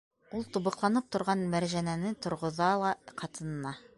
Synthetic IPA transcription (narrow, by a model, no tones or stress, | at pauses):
ulˠt̪uβɤ̆qlˠɑnɤp̚t̪ŏɾʁɑnmæɾʑænænɘt̪ŏɾʁŏðɑlˠɑqɑt̪ɤ̆nɤ̆ːɑ